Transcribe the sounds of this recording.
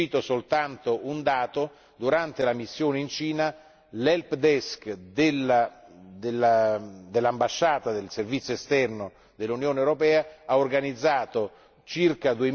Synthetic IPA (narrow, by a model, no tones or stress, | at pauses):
iːt̪osolt̪ant̪ound̪aːt̪o | d̪uɾant̪elamisːjoːneint͡ʃiːna | lɛlpd̪ɛskd̪elad̪elːad̪elːambaʃːaːt̪ad̪elservit̪sjoest̪ɛrno | d̪elːunjoːnewɾopɛːaaorɡanid̪zːaːt̪o | t͡ʃirkad̪ue